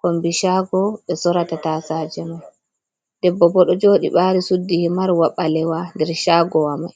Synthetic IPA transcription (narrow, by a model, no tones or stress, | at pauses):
kombiʃaɡɔɓɛsɔɾatataːsaːd͡ʒɛmaj | d̥ɛbːɔbɔɗɔd͡ʒoːɗḭɓaːɾisudːihimaɾwaɓalɛwandɛɾʃaːɡɔwama̰j